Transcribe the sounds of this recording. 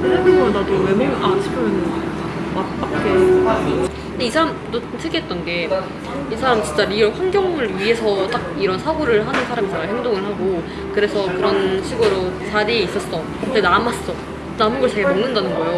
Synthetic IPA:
edadowemeŋat͡ɕʰi̥pʰjomenɯnamap͈akʰːe | ɯndeisʰaɾamdo | t͡ɕʰɯɡiɦet̚t͈ʌnɡe̞ | isʰaɾamit͡ɕint͡ɕ͈aɾiʌɸwanɡjʌŋɯɭɥiɦe̞sʰʌt͈ak̚iɾʌnsʰaɡoɾɯɭɦanɯnsʰaɾamit͡ɕaɡahe̞ŋdoŋɯɭɦaɡo | kɯɾe̞sʰʌkɯɾʌnɕʰiɡoɾot͡ɕaɾiis͈ʌs͈ʌ | denamas͈ʌ | namɯnɡʌɭt͡ɕeɡemoŋnɯndanɯnɡʌjo

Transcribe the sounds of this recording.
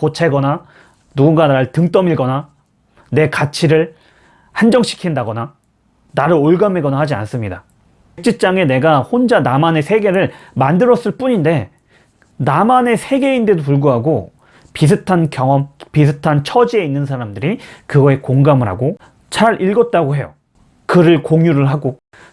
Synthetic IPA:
kot͡ɕʰeɡʌna | nuɡunɡanaɭtɯŋt͈ʌmiɭɡʌna | ne̞kat͡ɕʰiɾɯɭ | hand͡ʑʌŋɕʰi̥kʰindaɡʌna | naɾɯɾoɭɡame̞ɡʌnahad͡ʑia̰ns͈ɯmɲida | k̚t͡ɕ͈it͡ɕ͈aŋe̞ne̞ɡahond͡ʑanamane̞sʰe̞ɡe̞ɾɯɭmandɯɾʌs͈ɯɭp͈uɲinde̞ | namane̞sʰe̞ɡe̞inde̞dopuɭɡuɦaɡo | pis̬ʰɯtʰankjʌŋʌmpis̬ʰɯtʰant͡ɕʰʌd͡ʑie̞inːɯns̬ʰaɾamdɯɾikɯɡʌe̞koŋɡamɯɾɦa̰ɡo | t͡ɕaɾiɭɡʌt̚t͈aɡoɦe̞jo̰ | kɯɾɯɭkoŋjuɾɯɭɦaɡo

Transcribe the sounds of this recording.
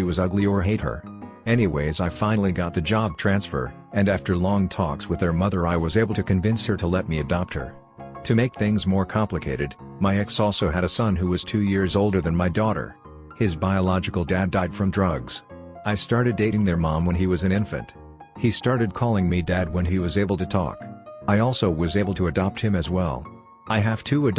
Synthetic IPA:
ʃiwʌzʌɡliə˞ɦeɪt̚hə̰˞ɛniweɪzaɪfãɪ̃nl̩ˠiɡɑt̪̚ðɨd͡ʒɑb̚tʰɹ̥æ̃nsfə̰˞ | ɨ̃næftə˞lɔ̃ŋtʰɔkswəðə˞mʌðə˞aɪwʌzeɪbl̩ˠtʰɨkɨ̃ɱvɪ̃nshə˞ɾəlɛt̚miɨdɑp̚t̚hə̰˞ | tʰɨmeɪk̚θɪ̃ŋzmɔɹkʰɑ̃mplɨkʰeɪɾɨd̚ | maɪɛksɔlˠsoʊɨɾɨsʌ̃nɦuwʌz̥tʰʉjɪɹzoʊlˠdə˞ðɨ̃nmaɪdɔɾə̰˞ | hɪzbaɪəlɑd͡ʒɨkl̩ˠdædaɪd̥fɹʌ̃mdɹʌɡz̥ | aɪstɑɹɾɨdeɪɾɪ̃ŋðə˞mɑ̃mwə̃niwʌzɨ̃ñɪ̃ɱfɨ̰̃nt | histɑɹɾɨd̚kʰɔlˠɪ̃ŋmidæd̚wə̃niwʌzeɪbl̩ˠtʰɨtʰɔ̰kaɪɔlˠsoʊwʌzeɪbl̩ˠtʰɨɨdɑp̚t̚hɨ̃mɨzwɛ̰lˠ | ʔaɪɨv̥tʰʉɨd

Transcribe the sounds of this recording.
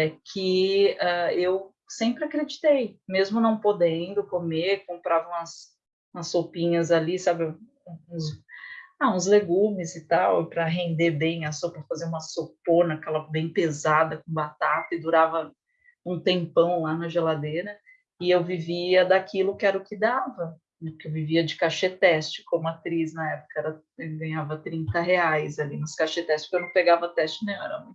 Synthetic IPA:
ɛkʰɪaew | sẽmpɾɪakɾed͡ʒit̪ejmezmʊnɐ̃w̃pod̪ẽnd̪ʊkomekõmpɾavɐũmɐs | ũmɐsːopĩɲɐzalisabɪ̃ | ũz | aũzleɡũmɪzɪt̪awpɾɐɦẽnd̪eɾbẽj̃ɐsopɾɐfazeɾũmɐsoponɐkɛlɐbẽj̃pezad̪ɐkõbat̪at̪ɐɪd̪uɾavɐ | ũt̪ẽpɐ̃w̃lanɐʒelad̪eɾɐ | ɪewviviɐd̪akilʊkɪɛɾɐʊkɪd̪avɐ | nɛpʊkewviviɐd͡ʒɪkaʃet̪ɛst͡ʃɪ̥kõmʊat̪ɾiz̬nɐɛpʊ̥kɐɛɾɐ | ɛɡɐ̃ɲavɐt̪ɾĩnt̪ɐɦeajzalinʊskaʃet̪ɛst͡ʃɪskewnɐ̃w̃peɡavɐt̪ɛst͡ʃɪnẽj̃ɛɾɐ̰mɐ̃

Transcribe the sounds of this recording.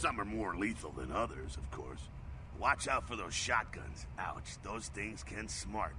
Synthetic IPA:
sʌ̃mə˞mɔɹ̃nliθl̩ˠðə̰̃nʌðə˞zʌv̥kʰɔ̰ɹs | wɑt͡ʃaʊtfə˞ðoʊz̥ʃɑt̚ɡ̥ʌ̰̃nz̥aʊtsðoʊz̥θɪ̃ŋz̥kʰɨ̃nsmɑɹt̚

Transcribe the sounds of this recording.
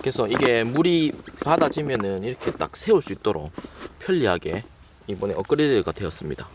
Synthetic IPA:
kɯesʰʌiɡe̞muɾipadad͡ʑimjʌnɯniɾʌkʰe̞t͈a̰k̚sʰe̞uɭs͈uit̚t͈oɾo̰k̚pʰjʌʎːiɦaɡe̞ | ibʌne̞ʔʌk͈ɯɾedɯɡadwe̞ʌs͈ɯmɲida

